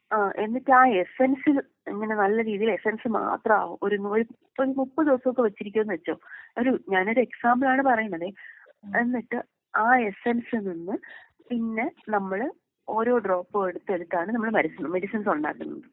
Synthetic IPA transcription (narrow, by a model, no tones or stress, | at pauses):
aːʔe̞nːiʈːɨaːe̞sɐnsil | eŋːɐne̞nɐlːɐɾiːðijile̞sɐnsɨma̰ːt̪rɐa̰ːʋuo̞ɾunoɾu | oɾumupːɐðiʋɐsɐʋokːeʋɐt͡ɕːiɾik̬ʲːumenːɨʋet͡ɕːoːoɾuɲaːno̞ɾue̞ksaːmbɨlaːɳɨpɐrɐjːuɳːɐðe | e̞nːiʈːɨ | aːesensɨninːɨ | pinːe̞nɐmːɐɭ | o̞ːɾo̞ːɖro̞ːpːeɽut̪ːeɽut̪ːaːɳɨnɐmːɐɭmɐɾisːunːume̞ɽisinsoɳɖa̰ːkːunːɐnɨ